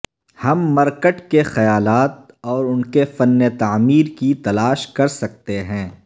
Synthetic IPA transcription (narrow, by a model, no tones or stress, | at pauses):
hɐmːɐɾkəʈkexɐjaːlaːt̪̚ɔːɾʊnkefɐnːet̪aːmiːɾkit̪ɐlaːʃkɐɾsɐk̚t̪eɦɛ̃ː